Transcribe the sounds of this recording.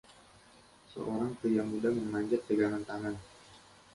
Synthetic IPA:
sə̰ʔoɾaŋkəjamudaməŋmaɲd͡ʒat̪̚ːəɡaŋant̪aŋan

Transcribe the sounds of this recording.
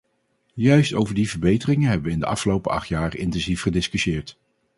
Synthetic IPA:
jœɥstowvəɹdivəɹbejtərɪŋəɦɛbəʋəɪndə̰ʔɑ̰fχəlowpəɑ̰χtjaːrɪntɛnzifχədɪskyʃɪːɹt

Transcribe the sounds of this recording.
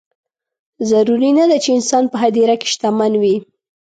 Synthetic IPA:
zaɾuɾinad̪at͡ʃeɪnsɑnpəɦad̪iɾake̥ʃt̪amanwi

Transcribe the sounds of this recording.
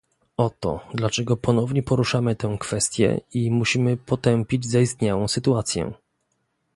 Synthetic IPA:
ɔt̪ɔ̰d̪lat͡ʂɛɡɔpɔnɔvɲɛpɔɾuʂamɘt̪ɛw̃kfɛst̪ʲjɛ̰imuɕimɘpɔt̪ɛmpʲid͡ʑzaist̪ɲawɔ̃w̃sɘt̪uat̪sʲjɛ̰

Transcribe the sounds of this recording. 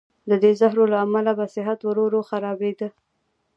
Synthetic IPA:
d̪əd̪ezaɦɾolaːmalabasɪɦat̪waɾoɾoxaɾɑbed̪ə

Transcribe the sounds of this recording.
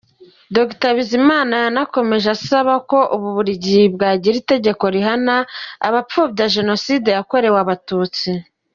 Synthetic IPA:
doɡitaβizimaːnanako̞me̞ʒasaβako̞ʔuβuβuɾiɟibɡaːɟiɾite̞ɟe̞ko̞ɾiɦanaːβap͡ffubɟaʒe̞no̞side̞jako̞ɾe̞waβatuːt͡si

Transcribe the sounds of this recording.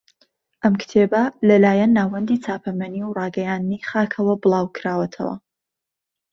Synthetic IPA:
ʔɐmkt̪ʰebɐlɐlaːjɛnːaːwɐnd̪iːt͡saːpʰɐmɐniwrɑːɡɐjaːnd̪niχaːkʰɐwɐbɨlˠaːwkʰɾaːwɐt̪ʰɐ̰wɐ̰

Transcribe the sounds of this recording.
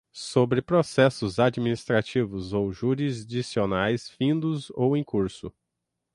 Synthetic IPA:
sobɾɪpɾosɛsʊzad͡ʒiminist̪ɾat͡ʃivʊzowʒuɾizd͡ʒisionajsfĩnd̪ʊzowẽj̃kuɾsʊ

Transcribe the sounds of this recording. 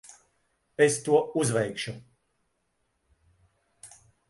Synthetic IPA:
est̪uɔuzvɛjkʃu

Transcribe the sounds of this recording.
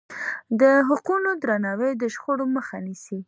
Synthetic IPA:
d̪əɦʊqunod̪ɾanɑwəjd̪əʃxoɽoməxanisi

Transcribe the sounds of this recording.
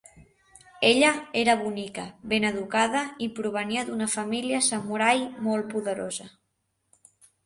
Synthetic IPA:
eʎəeɾəβunikəβenəðukaðəipɾuβ̞əniəðunəfamiliəsəmuɾajmolˠpuðəɾozə

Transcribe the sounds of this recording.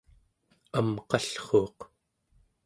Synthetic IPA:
amqɑɬχoːq

